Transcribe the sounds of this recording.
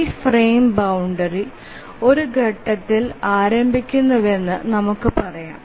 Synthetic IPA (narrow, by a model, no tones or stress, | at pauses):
freːmbɐwuɳɖɐri | o̞ɾuɡʱɐʈːɐt̪ːilaːɾɐmbʱikʲːunːɐðe̞nːɨnɐmukːɨpɐrɐja̰ːm